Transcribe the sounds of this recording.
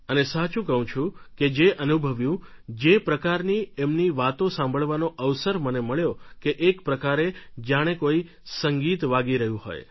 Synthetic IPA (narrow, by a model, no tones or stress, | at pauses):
ənesat͡ʃũkəɦũt͡ʃʰũked͡ʒeʔənubʱəʋjũd͡ʒepɾəkaɾniemniʋat̪õsãmbʱəɭʋanoʔəʋsəɾməneməɭjokeʔːkpɾəkaɾed͡ʒaɽ̃ekoi | səŋɡit̪ʋaɡiɾəɦjũɦo̰j